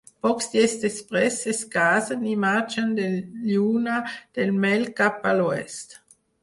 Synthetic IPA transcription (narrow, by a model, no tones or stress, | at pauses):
pɔksd̪jɛst̪espʁɛseskaːzənimad͡ʒənd̪ejuːnad̪̥elmɛlkapaloɛst̪